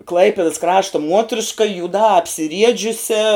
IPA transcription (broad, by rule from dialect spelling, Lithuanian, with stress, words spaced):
ˈklˠɐɪpʲɪdɐs ˈkrɑːʃtɐ ˈmuɔtʲrʲɪʃkɐ juːˈdɑː ɐpʲsʲɪˈrʲiɛd͡ʒʲʊsʲɛ